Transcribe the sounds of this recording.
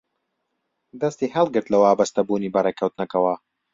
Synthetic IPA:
d̪ɐst̪iːhɐlˠɡɨɾt̪lɐwaːbɐst̪ɐbuːniːbɐreːkʰɐwt̪nɐkɐwɐ

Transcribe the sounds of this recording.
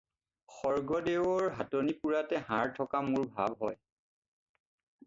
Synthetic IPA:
xɔɹɡɔdewɔɹɦatonipuɹatɛɦaɹtʰɔkamʊɹbʱa̰bɦɔj

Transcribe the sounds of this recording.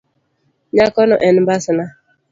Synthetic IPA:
ɲakɔnɔʔɛnbasna

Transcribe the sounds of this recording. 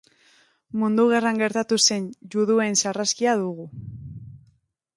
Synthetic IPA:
mund̪uɣ̞e̞raŋɡe̞ɾt̪at̪use̞nd͡ʒuðue̞nsaraskiaðuɣ̞u

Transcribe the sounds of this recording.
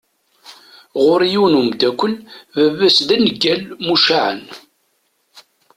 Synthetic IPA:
ʁʊɾijunumd̪ækʷːəlvəvːæsd̪ænəɡːælmuʃaʕə̰n

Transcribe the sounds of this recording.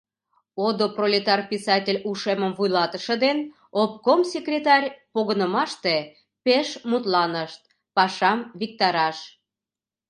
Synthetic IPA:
od̪oprolʲet̪ɑrpʲisɑtʲelʲuʃeməmvujlɑt̪əʃə̆d̪en | op̚komsʲekrʲet̪ɑrʲpoɣənəmɑʃt̪e | peʃmut̪lɑnəʃt̪̚ | pɑʃɑmvik̚t̪ɑɾɑʃ

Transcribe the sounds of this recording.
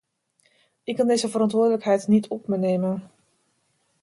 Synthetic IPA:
ʔɪkkɑndejzəvəɾɑntʋʊədələkɦɛjtnitʰɔpməneːmən

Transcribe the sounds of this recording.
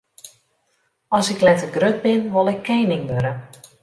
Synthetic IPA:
ɔsɪklɛtəɡrøt̚bɪnʋolˠɪkʰːejnɪŋʋøɾə

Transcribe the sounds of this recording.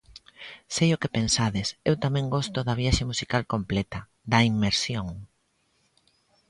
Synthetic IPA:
sejʊkepẽnsaðɪsewt̪amɛ̃ŋɡɔst̪ʊðɐβ̞jaʃemusikalkomplɛt̪ɐ | d̪ɐimmːeɾsjoŋ

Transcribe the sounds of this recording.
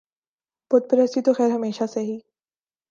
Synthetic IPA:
pʊt̪̚pəɾɛsit̪oxɛːɾɦɐmeːʃaseɦiː

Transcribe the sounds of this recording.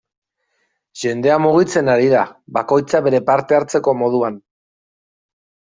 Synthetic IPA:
ʝe̞nd̪e̞amuɣ̞it͡se̞naɾiðaβako̞jt͡saβe̞ɾe̞paɾt̪e̞aɾt͡se̞ko̞mo̞ð̞uan

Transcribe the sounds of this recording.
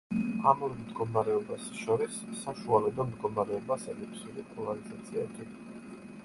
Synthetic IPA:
amɔɾimd̪ɡɔmaɾɛɔbasʃɔɾisːaʃualɛb̪ɔmd̪ɡɔmaɾɛɔbasɛlipʰsulipʼɔlaɾizat̪sʰiɛbi

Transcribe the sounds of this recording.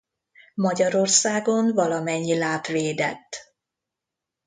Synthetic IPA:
mɒɟɒɾo̞rsaːɡo̞nvɒlɒmɛɲːilaːt̪ʋeːd̪ɛ̰t̪ː

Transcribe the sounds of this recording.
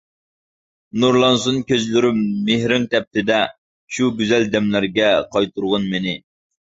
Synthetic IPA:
nuɾlˠɑnsunkʲøzlyɾymehɾɪŋt̪ʰɛp̚t̪ʰɪd̪ɛ | ʃuɡʲyzɛld̪ɛmlæɾɡʲɛqʰɑjt̪ʰuɾʁʊnmenɪ

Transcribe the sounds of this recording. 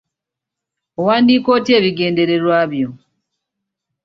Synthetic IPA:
owaːndiːko̞ːtie̞ːβiɡe̞ːnde̞ɾe̞ɾwaːβjo

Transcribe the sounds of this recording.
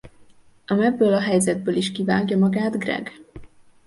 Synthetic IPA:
ʔɒmɛbːøːlɒɦɛjzɛd̪̚bøːliʃkiva̰ːɡjɒmɒɡaːd̪ɡrɛ̰ɡ

